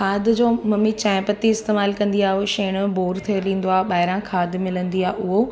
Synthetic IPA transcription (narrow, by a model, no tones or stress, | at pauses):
kʰaːd̪d͡ʑoːmɐmit͡ɕãːɪ̃pət̪iɪst̪eːmaːlkɐ̃nd̪iaːɦoʃeːɽ̃boːɾt̪ʰolĩːn̆d̪oaːɦɓaːɪɾãkʰaːd̪ʱmɪlə̃nd̪iaːʔʊɦo